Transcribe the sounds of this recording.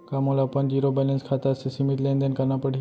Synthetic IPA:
kamulapənd͡ʑiɾobɛlenskʰat̪aəsesimit̪lend̪ənkəɾnapəɽi

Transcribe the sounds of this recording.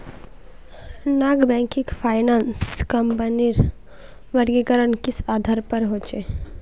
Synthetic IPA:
naːɡbɛ̃ːŋkɪkpʰaːɪnaːnskəmpəniɾ | ʋəɾɡekəɾənkɪsaːd̪ʱaɾpəɾɦoːt͡ʃeː

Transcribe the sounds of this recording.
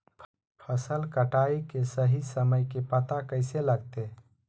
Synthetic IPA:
pʰ | pʰəsəlkəʈaikesəɦisəməjkepət̪akəɪseləɡt̪e

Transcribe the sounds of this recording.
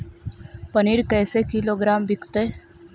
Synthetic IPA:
pəniːɾkɛːsekiloɡɾaːmbʱɪkt̪eː

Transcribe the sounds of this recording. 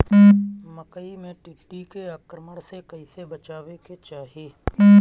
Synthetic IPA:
məkəimẽʈiʈikeaːkɾəməɽsekɐɪsebɐt͡ʃaːʋeket͡ʃaːɦieː

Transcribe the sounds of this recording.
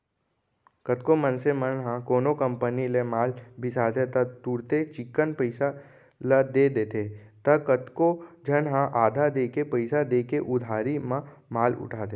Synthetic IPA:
kət̪komənsemənɦãkoːnokə̃mpənilemaːlbʱɪsaːt̪ʰet̪ɐt̪uːɾt̪et͡ʃɪkːənpəɪsa | ləd̪ed̪eːt̪ʰet̪ɐkət̪kod͡ʒənɦãʔaːd̪ʱad̪eːkepəɪsad̪eːkeʔʊd̪ʱaːɾimã | maːlʊ̰ʈʰaːt̪e

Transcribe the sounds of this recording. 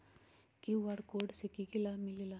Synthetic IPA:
kiʋaɽkoːɖsekiɡilaːmilila

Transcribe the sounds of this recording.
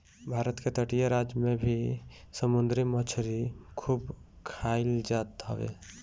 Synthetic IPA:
bʱaːɾət̪ket̪əʈijaɾad͡ʒmẽbʱi | səmʊnd̪ɾimət͡ʃʰɾikʰuːb | kʰaːɪld͡ʒaːt̪ɦɔ̰ʋḛ

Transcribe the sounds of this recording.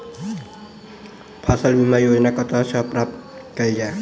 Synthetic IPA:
pʰasəlbimajod͡ʒnakʌt̪at͡ʃʰʌpɾap̚t̪kəid͡ʒae

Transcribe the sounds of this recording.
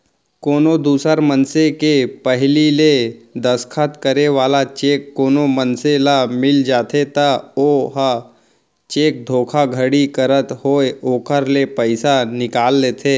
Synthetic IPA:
koːnod̪uːsəɾmənsekepəɦliled̪əskʰət̪kəɾeʋaːlat͡ʃeːkːoːnomənselamɪld͡ʒaːt̪ʰet̪aoːɦa | t͡ʃeːk̚d̪ʱoːkʰaɡʱəɽikəɾət̪hoːeoːkəɾlepəɪsanɪkaːlːeːt̪ʰeː

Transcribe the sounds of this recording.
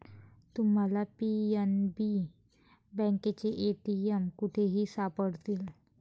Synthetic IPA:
t̪um̤alapienbi | bɛ̃ŋket͡ɕeʔeʈiemkuʈʰeɦiːsapəɽt̪iːl

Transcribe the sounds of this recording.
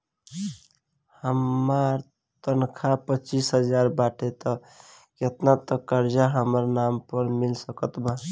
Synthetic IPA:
həmaɾ | t̪ənkʰapət͡ʃisɦəd͡ʒaɾbaʈʰet̪ɔ | ket̪nat̪ɔkəɾd͡ʒaɦəməɾnampəɾmilsəkət̪ba

